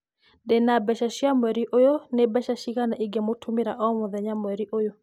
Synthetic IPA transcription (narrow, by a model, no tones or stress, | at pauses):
dɛnabɛʃaʃiamwɛɾiʔojonebɛʃaʃikanaʔiɡɛmotʰumiɾaʔɔmɔðɛɲamwɛɾiʔojo